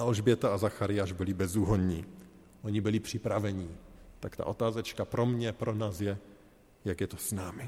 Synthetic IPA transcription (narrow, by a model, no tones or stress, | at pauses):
alʒbjɛt̪aazaxaɾɪjaːʒbɪlɪbɛzuːɦoɲɲi | ʔoɲibɪlɪpr̝̥ɪpɾavɛɲit̪akt̪a̰ʔo̞t̪aːzɛt͡ʃkapɾo̞mɲɛpɾonaːsjɛ | jakjɛt̪osnaːmɪ